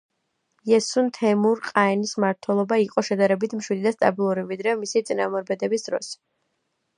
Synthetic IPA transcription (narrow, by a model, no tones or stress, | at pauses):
jɛsunt̪ʰɛmuɾqʼaɛnismaɾt̪ʰwɛlˠɔbaiqʼɔʃɛd̪aɾɛbit̪ʰmʃwid̪id̪ast̪ʼabilˠuɾivid̪ɾɛmisit̪sʼinamɔɾbɛd̪ɛbisd̪ɾɔ̰s